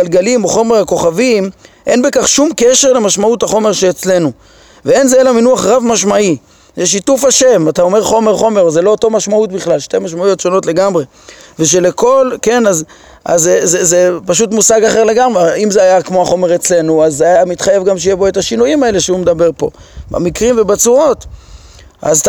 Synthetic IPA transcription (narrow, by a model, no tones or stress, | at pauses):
lɡalimoχo̞meako̞χavimʔe̞nbekaχʃumkeʃe̞ʁle̞maʃmauthaχo̞me̞ʁʃeːt͡sle̞nu | vee̞nzeelaminuaχʁavmaʃmai | zeʃ̬itufhaʃe̞matao̞meʁχo̞me̞ʁχo̞me̞ʁozelo̞ːto̞maʃmaut̪biχlalʃte̞maʃmaujo̞tʃo̞no̞tle̞ɡamʁe̞ | veʃ̬e̞le̞ko̞lke̞naz | ʔazezezepaʃ̬utmusaɡaχe̞ʁle̞ɡamʁeimzeajakmo̞aχo̞me̞ʁet͡sle̞nuazeajamit̪χaje̞vɡamʃ̬ejebo̞etaʃinujimae̞leʃeumed̪abe̞ʁpo̞̰ba̰mikʁimvebat͡suʁo̞t̪ | ʔa̰zt